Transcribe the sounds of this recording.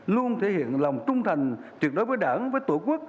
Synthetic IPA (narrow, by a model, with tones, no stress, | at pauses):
lu˧ənt̪ʰe˧˩hḭ˧˨ənla˨˩wŋ͡mt͡ɕʊ˧ŋ͡mt̪ʰa˨˩jŋ̟t͡ɕwi˨˩ək̚ɗo˨˦jvəː˨˦jɗaː˧˩nvəː˨˦jt̪o˧˩ku˦˥ək̚